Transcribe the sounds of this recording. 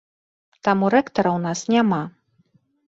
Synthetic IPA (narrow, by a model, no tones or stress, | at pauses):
t̪amuɾɛkt̪ɐɾɐwn̪asnʲama